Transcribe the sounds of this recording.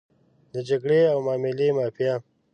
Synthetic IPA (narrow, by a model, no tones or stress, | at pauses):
d̪əd͡ʒɐɡɽeawmaːmilemaːpjaː